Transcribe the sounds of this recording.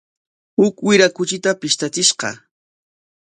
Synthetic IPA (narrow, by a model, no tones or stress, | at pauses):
hʊkwɪɾakʊt͡ʃɪt̪apɪʃt̪at͡sɪʃqɑ̰